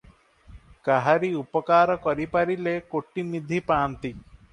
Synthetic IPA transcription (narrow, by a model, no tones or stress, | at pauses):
kaɦaɾiupɔkaɾɔkɔɾipaɾilekoʈːimid̪ʱipaːnt̪i